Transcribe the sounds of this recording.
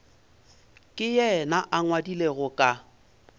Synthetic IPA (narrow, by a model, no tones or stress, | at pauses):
kʼɪjɛnaʔaŋwadileɣʊkʼa